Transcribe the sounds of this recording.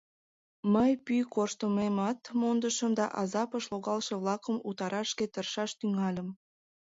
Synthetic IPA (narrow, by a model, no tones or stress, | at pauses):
məjpykorʃt̪əmemɑt̪mond̪əʃəmd̪ɑ̰ʔɑzɑpəʃloɣɑlʃeβlɑkəmut̪ɑɾɑʃket̪ərʃɑʃt̪yŋɑlʲəm